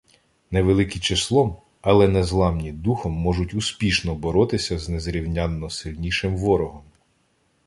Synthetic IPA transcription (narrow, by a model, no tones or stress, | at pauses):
neʋelˠɪkɪt͡ʃeslˠɔm | ɐlˠɛnɛzlˠɑmnʲid̪uxɔmːɔʒʊtʲʊspʲiʃnɔbɔɾɔt̪ɪsʲɐznɛzɾʲiwnʲanːɔsɪlʲnʲiʃɪmʋɔɾɔɦɔm